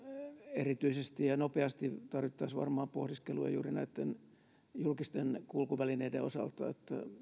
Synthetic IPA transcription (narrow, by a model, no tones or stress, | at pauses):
erit̪yisest̪ijɑnopeɑst̪it̪ɑrʋit̪ːɑːsʋɑ̰rmɑːmpohdiskelujɑ̰jṵːrinæit̪ːen | julkist̪enkulkuʋælineidḛo̰sɑ̰lt̪ɑ̰ḛt̪ːæ̰